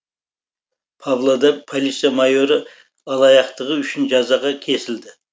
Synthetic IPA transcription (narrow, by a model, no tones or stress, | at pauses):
pʰɑβlˠod̪ɑpʰolʲit̪sjamɑjo̞ɾɪ | ɑlˠɑjɑqt̪əʁəʏʃɪnʒɑzɑʁɑkʲʰe̞sɪld̪ɪ